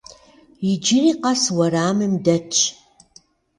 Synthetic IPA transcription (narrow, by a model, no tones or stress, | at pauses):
jɪd͡ʒɪriːqɐswɐɾaːmɨmdɐt͡ʃʼʰ